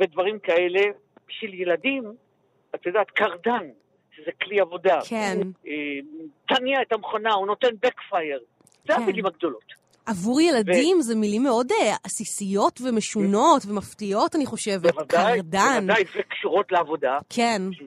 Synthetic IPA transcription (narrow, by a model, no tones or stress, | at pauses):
ved̪vaʁimkae̞le | ʃeljeladim | at̪ajodaːt̪kaʁdan | ʃezekliavo̞dakʰenet̪aniaetamχonauno̞t̪e̞nbekfajeʁ | zeamilimaɡ̚d̪o̞lo̞t̪ | ʔavuʁjelavdimzemilimːeo̞deasisijo̞tve̞me̞ʃuno̞tve̞maftio̞taniχo̞ʃe̞vevdk̪ajʁdaandajvekʃuʁo̞tleavo̞dakʰen